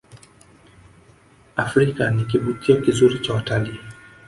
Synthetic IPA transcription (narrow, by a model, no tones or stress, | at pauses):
afɾikanik̬iɓukiɔkizuɾit͡ʃawatali